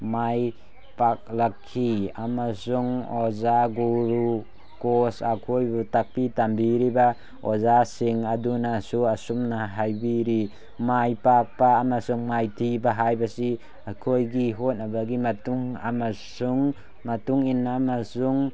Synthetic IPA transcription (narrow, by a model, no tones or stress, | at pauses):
maj | pak̚lakʰːiamasuŋozaɡuɾu | kosakʰojbutak̚pitambiɾiba | ozasiŋadunasuasumnaɦajbiɾi | majpak̚paːmasuŋmajtʰibaɦajbasi | akʰojɡiɦot̚nabaɡimatuŋa̰masuŋ | matuŋinːamasuŋ